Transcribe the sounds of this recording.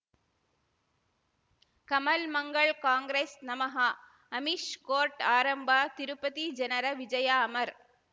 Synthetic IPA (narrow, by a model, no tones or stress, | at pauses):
kɐmɐlmɐŋɡɐɭkaːŋɡɾeːsnɐmɐɦa | ɐmiʂkoːɾʈaːɾɐmbʱaːt̪ɪɾɯpːɐðid͡ʒɐnɐɾɐʋɪd͡ʒɐjaːɐmɐɾ